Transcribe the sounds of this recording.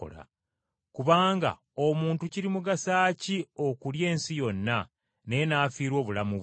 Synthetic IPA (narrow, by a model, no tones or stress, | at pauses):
o̰la̰ | kuβaːŋɡa̰ | omuːntuciɾimuɡasaːcio̞kulje̞ːnsijo̞nːa | ne̞naːfiːɾwo̞ːβulamu